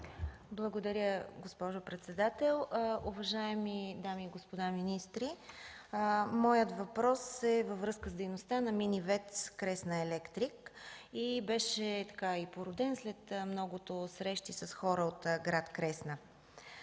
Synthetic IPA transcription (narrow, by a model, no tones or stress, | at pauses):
blˠəɡod̪ɐɾʲjəɡospɔʒopɾɛt̪sɛd̪at̪ɛlˠʊvɐʒaɛmid̪amiːɡospod̪aminist̪ɾi | mɔjət̪vɐpɾɔsɛvəvɾɤskəzd̪ɛjnost̪anɐminivɛt̪skɾɛsnəɛlɛkt̪ɾikibɛʃɛt̪ɐ̥kaipoɾʊd̪ɛnslɛt̪mnɔɡʊt̪osɾɛʃt̪isɐsxɔɾəot̪ɡɾat̪kɾɛsnə